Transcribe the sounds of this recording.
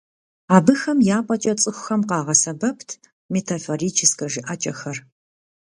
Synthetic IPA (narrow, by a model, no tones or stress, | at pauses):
aːbɨxɐmjaːpʼɐt͡ʃʼɐt͡sʼɨxʷʊxɐmqɑːʁɐsɐbɐptʰ | metʰaforiːt͡ʃʰɪskɐʒɪʔat͡ʃʼɐxɐr